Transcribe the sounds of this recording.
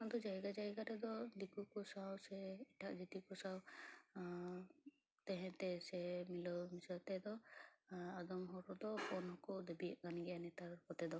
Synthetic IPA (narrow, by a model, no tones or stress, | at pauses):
ad̪ɔd͡ʒajɡad͡ʒajɡaɾɛd̪ɔd̪ikukusawsɛɛʈʰaʔd͡ʒit̪ikɔsaw | t̪ɛɦɛ̃t̪ɛsɛmilɔwmisɔɾt̪ɛd̪ɔ | ad̪ɔmɦɔɾɔd̪ɔpɔnɦɔkɔd̪ɛbiʔɡaniɡɛjanɛt̪aɾkɔt̪ɛd̪ɔ